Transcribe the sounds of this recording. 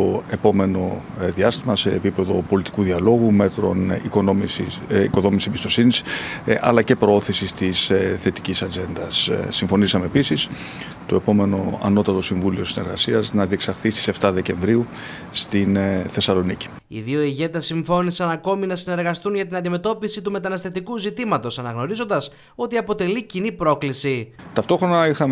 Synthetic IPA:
t̪o̞e̞po̞me̞no̞ | ðiɐst̪imɐse̞ːpipe̞ðo̞po̞lit̪i̥kuðiɐlo̞ɣume̞t̪ɾo̞̰nikonomiko̞ðo̞misiebist̪o̞sinisɐ̰lɐce̞pɾoo̞θisist̪isθe̞t̪i̥cisɐd͡ze̞nd̪ɐssiɱfo̞nisɐme̞ːpisis | t̪o̞e̞po̞me̞no̞ɐ̰no̞t̪ɐt̪o̞siɱvulio̞sine̞ɾɣɐsiɐznɐðieksɐɾθist̪ise̞ft̪ɐðe̞ce̞ɱvɾiu | st̪inθe̞sɐlo̞nici̥ | ḭðio̞iʝe̞t̪esiɱfo̞nisɐnɐko̞minɐsine̞ɾɣɐst̪unʝɐt̪inɐnd̪ime̞t̪o̞pisit̪ume̞t̪ɐnɐst̪e̞ft̪ikuzit̪imɐt̪o̞sɐnɐɣno̞ɾizo̞nd̪ɐs | o̞t̪iɐpo̞t̪e̞licinipɾo̞klisit̪ɐft̪oxɾo̞nɐixɐm

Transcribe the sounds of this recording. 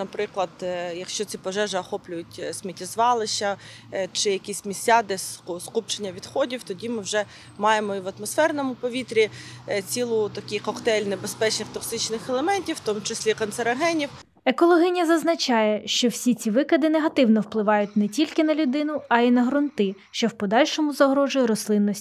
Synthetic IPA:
nɐpɾɪklˠɐd̪jɐkʃt͡ʃɔt͡sʲipɔʒɛʒɪɐxɔplʲʊjʊtʲsʲmʲitʲizʋɑlˠɪʃɐ | t͡ʃɪjɐkʲisʲmʲisʲad̪ɛsskup̚t͡ʃenʲːɐʋʲid̪xɔdʲiwt̪ɔdʲimɪwʒɛ | mɑjemɔiʋɐt̪mɔsfɛrnɔmʊpɔʋʲit̪ɾʲit͡sʲilˠʊt̪ɐkʲɪjkɔkt̪ɛlʲnebespɛt͡ʃnɪxt̪ɔksɪt͡ʃnɪxɛlˠemɛnʲtʲiwːt̪ɔmʊt͡ʃesʲlʲikɔnt̪seɾɐɦɛnʲiw | ekɔlˠɔɦɪnʲɐzɐznɐt͡ʃɑjɛʃt͡ʃɔwsʲit͡sʲiʋɪkɐd̪ɪneɦɐt̪ɪwnɔwplˠɪʋɑjʊt̚ʲnɛtʲilʲkɪnɐlʲʊd̪ɪnʊɐinɐɦɾʊnt̪ɪ | ʃt͡ʃɔwpɔd̪ɑlʲʃɔmʊzɐɦɾɔʒʊjɾɔslˠɪnːɔsʲtʲ

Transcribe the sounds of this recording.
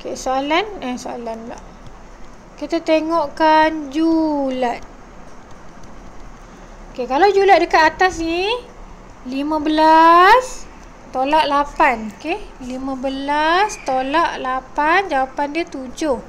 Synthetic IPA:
okesoalanəsoa̰lanla̰h | kit̪at̪eŋɔʔkand͡ʒulat̪̚ | okekalawd͡ʒulat̪̚dəkat̪at̪asni | limãbəlas | t̪olaʔlapanokelimãbəlast̪olaʔlapand͡ʒawapandiət̪ud͡ʒʊh

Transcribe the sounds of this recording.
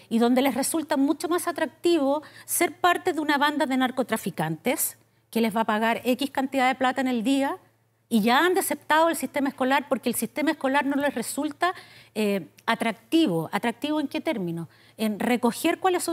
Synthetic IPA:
iðo̞nd̪e̞lesresult̪amut͡ʃomasat̪ɾak̚t̪iβoseɾpaɾt̪e̞ðeunaβand̪aðenaɾko̞t̪ɾafikant̪es | kelezβapaɣaɾekihkant̪iðaðeplat̪aeneld̪ia | iʝaand̪esep̚t̪aðoelsiht̪emaesko̞laɾpo̞ɾkeːlsist̪emaesko̞laɾnolesresult̪aeat̪ɾak̚t̪iβoʔat̪ɾak̚t̪iβoeŋket̪eɾmino̞ | enreko̞xeɾkwaleso

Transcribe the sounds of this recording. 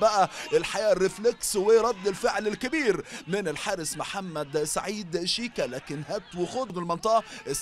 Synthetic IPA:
bæʔæʔelħajæːrːefleksweɾˤɑd̪ːɪlfeʕlɪlkɪbiːɾmɪnɪlħaːɾɪsmoħamːæd̪sa̰ʕiːd̪ʃiːkælæːkɪnɦæt̪wexod̪mɪlmɑnt̪ˤɑʔɑʔɪs

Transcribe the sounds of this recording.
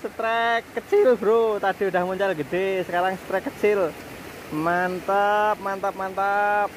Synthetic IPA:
sət̪ɾɛkːət͡ʃɪlbəɾot̪ad̥iudahmuɲt͡ʃalɡəɖ̥esəkaɾaŋsə̥t̪ɾɛkːət͡ʃɪl | mant̪ap̚mant̪ap̚mant̪ap̚

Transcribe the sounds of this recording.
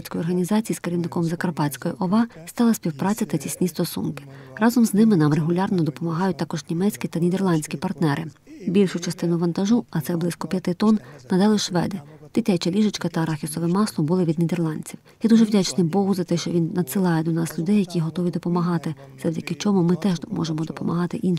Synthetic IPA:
sʲkɔjɔrɦɐnʲizɑt͡sʲijiskeɾʲiwnɪkɔmzɐkɐrpɑt͡sʲkɔjiʔɔʋɑst̪ɑlˠɐsʲpʲiwpɾɑt͡sʲɐt̪ɐtʲisʲnʲist̪ɔsṵnkɪ̥rɑzɔmznɪmɪnɑmreɦʊlʲɑrnɔd̪ɔpɔmɐɦɑjʊt̚ʲt̪ɑkɔʒnʲimɛt͡sʲkʲit̪ɐnʲid̪erlˠɑnʲsʲkʲipɐrt̪nɛɾʔɪbʲilʲʃʊt͡ʃɐst̪ɪnʊʋɐnt̪ɐʒuɐt̪sɛblɪsʲkɔpʲjɐt̪ɪt̪ɔnːɐd̪ɛlˠɪʃʋɛ̰d̪ɪd̪̥ɪtʲat͡ʃɐlʲiʒɪt͡ʃkɐt̪ɐɾɑxʲisɔʋɪmɑslˠɔbulˠɪʋʲid̪nʲid̪erlˠɑnʲt͡sʲiwjɛd̪uʒɛwʲat͡ʃnɪjbɔɦuzɐt̪ɛʃt͡ʃɔʋʲinːɐd̪sɪlˠɑjɛd̪ɔnɑslʲʊd̪ɛjɐkʲiɦɔt̪ɔʋʲid̪ɔpɔmɐɦɑt̪ɪ | z̥ɐwdʲɐkɪt͡ʃɔmumɪt̪ɛʒmɔ̰ʒemɔd̪ɔpɔmɐ̰ɦɑt̪ɪʔin

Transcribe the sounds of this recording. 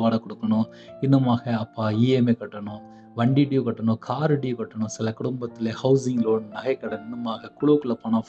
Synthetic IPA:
ʋaːɽɐkːɔɽɯkːɐɳʊ̃ | ɪnːɯmaːɣɐɐpːaːiːemeːkɐʈːɐɳʊ̃ | ʋɐɳɖiʈijukɐʈːɐɳʊ̃ːkʰaːɾɪɖijkɐʈːɐɳʊ̃sɪlɐkʊɽɯmbɐt̪ːɪlehɐʊsɪŋɡloːnnɐɣɐɪkːɐɽɐɪnːɯmaːɣɐkʊɭukːɯlɐpɐɳɐf

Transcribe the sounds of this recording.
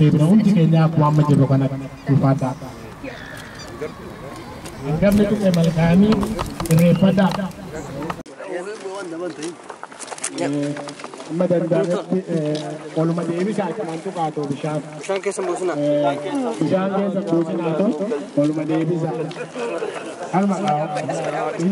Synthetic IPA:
d̪eːbɪnɐhʊnt̪ɪkeːɲːaːkwaːmːɐd͡ʒɛbɔkɐnɐduːfaːd̪aː | ɐŋɡɐmnɛt̪ʊkʼːɛmɐlkaɐniːɪrːeːfːɐd̪aːdɐ | ɐmːɐd̪ɐnd̪ɐrɛt̪ːɪʔwɔlʊmɐd̪eːbɪsaːkːɪmɐnt̪ʊkaːt̪ɔbɪʃaːt | bɪʃaːŋkeːs̬ːɐnd̪uːt͡ʃɪnaːt̪ɔwɔlʊmɐd̪eːbɪsa | ɐnʊmɐkaː

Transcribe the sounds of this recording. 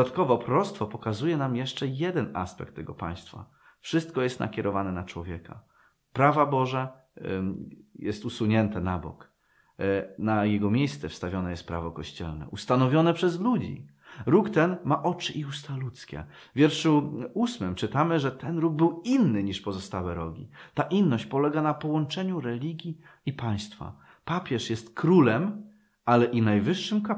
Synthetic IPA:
at̪kɔvɔpɾɔɾɔt̪st̪fɔpɔkazujɛnamjɛʂt͡ʂɛjɛd̪ɛna̰spɛ̰kt̪ːɛɡɔpa̰j̃st̪fa̰ | fʂɘst̪̚kɔjɛst̪na̰kʲɛɾɔvanɛnat͡ʂwɔvʲjɛka̰ | pɾavabɔʐɛ | jɛst̪usuɲɛnt̪ɛnabɔ̰k | najɛɡɔmʲjejst̪sɛfst̪avʲjɔnɛjɛst̪pɾa̰vɔkɔɕt͡ɕɛ̰lnɛ̰ʔust̪anɔvʲjɔnɛpʂɛzlud͡ʑḭ | ɾukt̪ɛnmaʔɔt͡ʂɘʔiust̪alut̪skʲɛ̰ | vʲjɛɾʂuusmɘmt͡ʂɘt̪amɘʐɛt̪ɛnɾuɡ̚bɘwinːɘɲiʂpɔzɔst̪awɛɾɔɡʲḭt̪aʔinːɔɕt͡ɕpɔlɛɡanapɔwɔnt͡ʂɛɲuɾɛlʲiɡʲjiipaj̃st̪fa̰ | papʲjɛʂjɛst̪kɾulɛm | alɛʔinajvɘʂːɘmka

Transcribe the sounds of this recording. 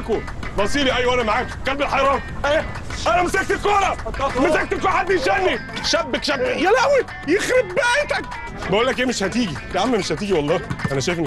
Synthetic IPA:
ko | bɑsˤiːɾiʔæjːwæænæmaʕaːkkælbelħɑjɾˤɑːnʔeː | ʔænæmesæk̚t̪elkoːɾˤɑmesæk̚t̪elkoːɾħad̪ːiʃænːi | ʃæbːekʃæbːejælæwi | jexɾebbæajt̪æk̚ | bæʔulːæk̬ʔeːmeʃhæt̪iːɡilʕamːæmeʃhæt̪iːɡiwɑlˤːɑːʔænæʃæjfn

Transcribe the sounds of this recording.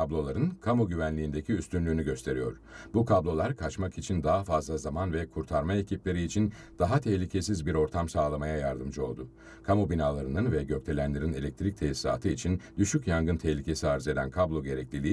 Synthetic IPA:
ablˠo̞lˠaɾɯnkʰamoɟyvænlʲiːnd̪ecʰiyst̪ynlʲyːnyɟø̞st̪ʰe̞ɾijo̞̰ɾ̥ | bukʰablˠo̞lˠaɾkʰat͡ʃmakit͡ʃʰind̪aɦafazlˠazamanvɛkʰuɾt̪ʰaɾmae̞cʰiplʲe̞ɾiːt͡ʃʰin | d̪̥aɦat̪ʰɛhlʲicʰe̞sizbiɾo̞ɾt̪ʰamsaːlˠamajajaɾd̪ɯmd͡ʒɯo̞lˠd̪ʊ | kʰamobinaːlˠaɾɯnɯnvɛɟø̞c̚t̪ʰe̞lʲænlʲeɾine̞lʲɛc̚t̪ʰɾic̚t̪ʰesa̰ːt̪ʰɯit͡ʃʰind̪yʃycjaŋɡɯnt̪ʰɛhlʲicʰe̞siaɾze̞d̪ænkʰablˠo̞ɟe̞ɾɛclʲilʲii

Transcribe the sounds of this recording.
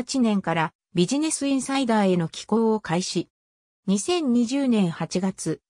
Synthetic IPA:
t͡ɕinẽ̞ŋkaɾa | bʲiʑine̞sɨĩɰ̃said̪aːe̞no̞kʲi̥ko̞okaiɕi | ɲ̟isẽ̞ɲ̟ːiʑɨːnẽ̞ɰ̃hat͡ɕiɡat͡sɨ

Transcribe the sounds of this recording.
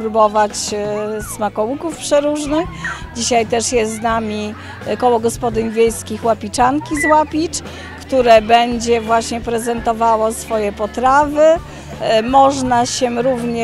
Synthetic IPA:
pɾubɔvat͡ɕsmakɔwukufpʂɛɾuʐnɘxd͡ʑiɕajt̪ɛʂjɛst̪znamʲi | kɔwɔɡɔspɔd̪ɘɲvʲjɛjskʲixwapʲit͡ʂaŋkʲizwapʲit͡ʂ | kt̪uɾɛbɛɲd͡ʑɛvwaɕɲɛpɾɛzɛnt̪ɔvawɔsfɔjɛpɔt̪ɾavɘ | mɔʐnaɕɛɾuvɲɛ

